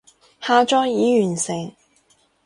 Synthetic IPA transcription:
haː˧t͡ʃɔː˥jiː˨˥jyː˨˩nsɪ˨˩ŋ

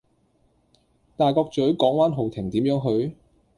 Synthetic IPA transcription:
t̪aː˨jkɔː˧k̚t͡ʃɵ˨˥ɥkɔː˨˥ŋwaː˥nɦo˨˩wt̪ʰɪ˨˩ŋt̪iː˨˥mjœː˨˥ŋɦɵ˧ɥ

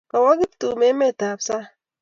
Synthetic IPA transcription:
ɔ˨wɔ˦ɡi˦ptu˨me˨˦me˦˨ta˨bsa˦

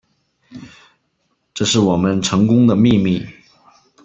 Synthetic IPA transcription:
ʈ͡ʂɤ˥˧ʂɻ̩˥˩wɔ˨˩mə˦nʈ͡ʂʰɤ˧˥ŋkʊ˥ŋd̪ə˨mi˥˧mi˥˩

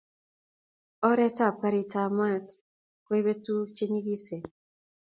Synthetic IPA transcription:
ɔ˦ɾɛ˦ta˦˨p̚ka˦ɾi˨ta˨ma˦t | kwe˦i˦be˦tu˦t͡ʃe˦ɲi˦ɡi˦se˨

